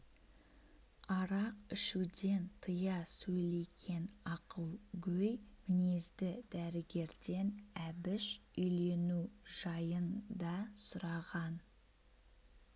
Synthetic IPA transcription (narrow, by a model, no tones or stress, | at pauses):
ɑɾɑqɪʃud̪e̞nt̪ʰəjɑsɵjle̞kʲʰe̞nɑqəlˠɡʲɵjmɪne̞zd̪ɪd̪æɾɪɡʲe̞ɾd̪e̞næbɪʃʏjle̞nuʒ̥ɑjənd̪ɑsʊɾɑʁɑn